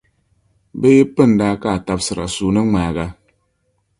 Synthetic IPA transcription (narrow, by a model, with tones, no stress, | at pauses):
bə˦je˦pɨ˦˨n˨daː˦ka˦˨ta˦p̚sɨ˨ɾa̰˨su˨nə˦ŋ͡maː˨ɣa˦